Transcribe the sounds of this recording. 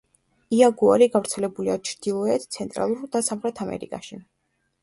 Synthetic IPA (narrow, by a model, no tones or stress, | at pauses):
iaɡua̰ɾiɡavɾt̪sʰɛlɛbuliat͡ʃʰɾd̪̥ilˠɔɛt̪ʰt̪sʰɛnt̪ʼɾa̰lˠuɾd̪asamχɾɛt̪ʰamɛ̰ɾḭkʼa̰ʃi